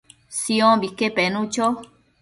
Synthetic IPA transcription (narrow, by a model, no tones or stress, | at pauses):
siõbikepenũt͡ʃo